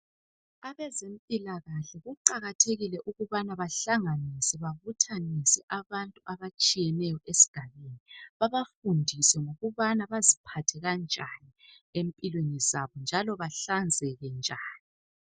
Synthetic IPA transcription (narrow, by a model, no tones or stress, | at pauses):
aβɛzempʼilaɣaɬɛɣuǃaɣatʰeɣilɛʔuɣuβanaβaɬaŋanisɛβaβutʰanisɛʔaβantʼuaβat͡ʃʼijɛnɛjɔʔesi̥ɡ̥ʱaβeniβaβafundʱisɛŋoɣuβanaβazipʰatʰɛɣand͡ʒʱani | empʼilwenizaβɔnd͡ʒʱalɔβaɬand͡zʱɛɣɛnd͡ʒʱaːni